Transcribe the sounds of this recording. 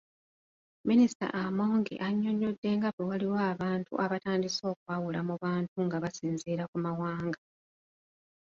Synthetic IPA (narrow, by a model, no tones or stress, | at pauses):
minisita̰ʔamo̞ːŋɡḛʔaɲːo̞ɲːo̞dːe̞ŋɡaβewaliwaːβaːntṵʔaβataːndiso̞ːkwaːwulamuβaːntuŋɡaβasiːnziːɾakumawaːŋɡa